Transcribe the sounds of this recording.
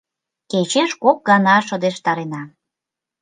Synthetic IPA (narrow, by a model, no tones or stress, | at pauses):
ket͡ɕeʃkok̚ɡɑnɑʃɤ̆d̪eʃt̪ɑɾenɑ